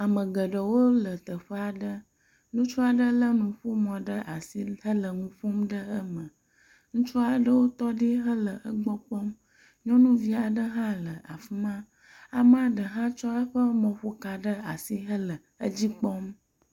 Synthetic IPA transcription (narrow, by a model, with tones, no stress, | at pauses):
a˨mə̃˨ɡə˨ɖə˨wo˦lə˨t̪ə˨ɸə˦a˨ɖə˦ | nũ˦t͡ʃɔ˦a˨ɖə˦lə˦nũ˨ɸu˦mɔ̃˨ɖə˦ʔa˨si˦ɦə˦lə˨ŋũ˦ɸu˦mɖə˦ə˦mə̃˨ | ŋũ˦t͡ʃɔ˦a˨ɖə˦wo˦t̪ɔ˦ɖi˦ɦə˦lə˨ʔə˦ɡ͡bɔ˦k͡pɔ˦m | ɲɔ̃˦nũ˦vi˦a˨ɖə˦ɦã˦lə˨ʔa̰˨fi˦mã˦ | a˨m˦a˨ɖə˨ɦã˦t͡ʃɔ˦ə˦ɸə˦mɔ̃˨ɸo˦ka˨ɖə˦a˨si˦ɦə˦lə˨ | ə˦d͡ʑi˦k͡pɔ˦m